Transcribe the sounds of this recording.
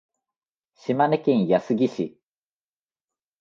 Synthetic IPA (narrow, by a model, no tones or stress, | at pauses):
ɕimanekʲĩɰ̃jasɨɡʲiɕi